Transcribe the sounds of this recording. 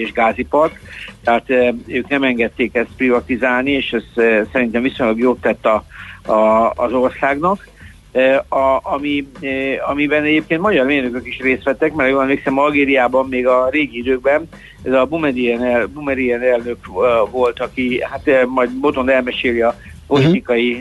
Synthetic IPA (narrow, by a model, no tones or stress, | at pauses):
eːʒɡaːzipɒrkt̪ɛɦaːt̪øːknɛmɛŋɡɛt̪ːeːkɛst̪̚privɒt̪izaːlnieːʃɛssɛɾint̪ɛɱvisoɲlɒɡjoːt̪ːɛt̪ːɒɒ̰ːzo̞rsaːɡnɒkː | ɒɒmi | ɒmibɛnɛɟeːp̚keːnt̪mɒɟɒrmeːrnøkøkiʃreːst̪ʋɛt̪ːɛkmɛɾjoɒnleːksɛmɒlɡeːɾijaːbɒmːeːɡɒreːɡiid̪øːɡ̚bɛn | ɛzɒbumɛdiɛnɛbumɛɾiɛnɛlnøkvo̞lt̪ɒkihat̪mɒjd̪bo̞t̪o̞nɛlmɛʃeːliɒ | po̞lit̪ikɒji